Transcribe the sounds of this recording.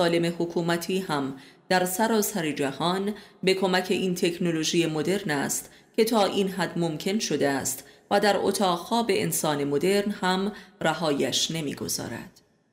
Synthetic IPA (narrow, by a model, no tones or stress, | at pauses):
sɒːle̞me̞hokʰuːmæt̪ʰiːhæmd̪̥æɾsæɾɒːsæɾed͡ʒæhɒːnbe̞kʰo̞mæcʰe̞ʔiːnt̪ʰe̞kʰno̞lo̞ʒiːjemo̞d̪e̞ɾnæst̪ | cʲʰe̞t̪ʰɒːʔiːnɦæd̪mo̞mcʰe̞nʃo̞d̪eæst̪væd̪æɾo̰t̪ʰɒːʁhɒːbe̞ʔḛnsɒːne̞mod̪e̞ɾnhæmræɦɒːjæʃne̞mḭːɡo̞̰z̥ɒ̰ːɾæ̰d̪̥